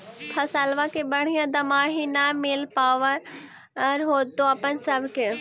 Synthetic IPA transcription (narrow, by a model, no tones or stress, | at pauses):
pʰɐsaːlʋakeɓɐɽ̤ijãd̪ɐmaːɦinameːlpaːʋəɾ | ɐɾɦoːt̪oɐpənsɐbʱke